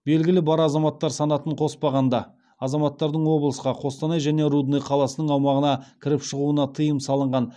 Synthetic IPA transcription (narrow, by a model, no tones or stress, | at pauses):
be̞lɡʲɪlɪbɑɾɑzɑmɑt̪ːɑɾsɑnɑt̪əɴqʰo̞spɑʁɑnd̪ɑ | ɑzɑmɑt̪ːɑɾd̪əɴwo̞blˠəsqɑqʰo̞st̪ɑnɑjʒæne̞ɾud̪nejqʰɑlˠɑsənəɴɑwmɑʁənɑkʲʰɪɾɪpʃəʁuənɑt̪ʰəjəmsɑlˠəɴʁɑn